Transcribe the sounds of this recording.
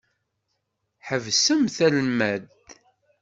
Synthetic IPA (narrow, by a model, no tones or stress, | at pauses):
ħəvsəmθælmæð